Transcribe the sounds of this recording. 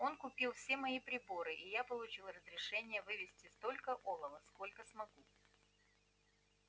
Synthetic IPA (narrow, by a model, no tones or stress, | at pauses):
o̞nkʊpʲilˠfsʲe̞mɐipɾʲɪbo̞ɾɨʔijapəlˠʊt͡ɕilˠərəzɾʲɪʂɛnʲɪjəvɨvʲɪsʲtʲɪst̪o̞lʲkəʔolˠəvəsko̞lʲkəsmɐɡu